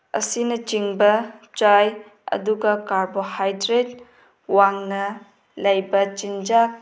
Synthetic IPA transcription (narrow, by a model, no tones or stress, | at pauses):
ɐ̰sinɐt͡ʃiŋbɐt͡ʃaj | ɐ̰duɡɐkaɾbohajdɾet̚ | waŋnɐ | lɐjbɐt͡ʃind͡ʒak̚